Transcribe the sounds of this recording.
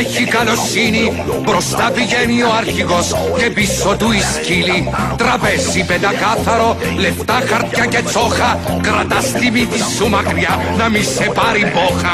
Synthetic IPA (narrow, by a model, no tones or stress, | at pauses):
çikalɔsːiːni | pɾɔst̪aviʝɛniɔaɾçikɔskɛpisːɔd̪uisciːlit̪ɾapɛsːipɛd̪akaθaɾolɛft̪axaɾt̪jacet̪sɔxaɡɾat̪ast̪imid̪isːumakɾja | namisɛpaɾibɔxa